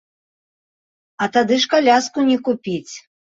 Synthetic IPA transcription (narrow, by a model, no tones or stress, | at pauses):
ɐt̪ad̪ɨʂkalʲaskunʲɛkupʲit͡sʲ